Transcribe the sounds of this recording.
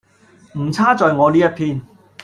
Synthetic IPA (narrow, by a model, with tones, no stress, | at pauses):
m̩˨˩t͡sʰaː˥t͡sɔː˨jŋɔː˨˧liː˥jɐ˥t̚pʰiː˧n